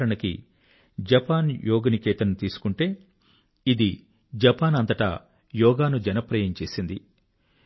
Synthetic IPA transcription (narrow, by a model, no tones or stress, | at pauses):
ɾɐɳɐkḭ | d͡ʒɐpaːnjɔːɡɐnikɛːt̪ɐnut̪iːsu̥kuɳʈe̞ː | id̪i | d͡ʒɐpaːnɐnt̪ɐʈa̰ː | jɔːɡaːnud͡ʒɐnɐpɾɐjɐɲt͡ʃe̞ːsind̪i